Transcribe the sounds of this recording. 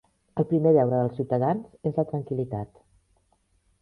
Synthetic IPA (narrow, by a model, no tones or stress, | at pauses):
əlˠpɾimeʎɛwɾəðəlˠsiwt̪əðanzezlət̪ɾəŋkilit̪at̪